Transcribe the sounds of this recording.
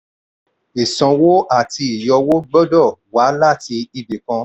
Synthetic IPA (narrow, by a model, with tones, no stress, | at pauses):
i˨sɔ̃˨˧wo˦ʔa˦˨ti˧i˨jɔ˧wo˦ɡ͡bɔ˦dɔ˦˨wa˨˦la˦˨ti˧i˧be˨kã˧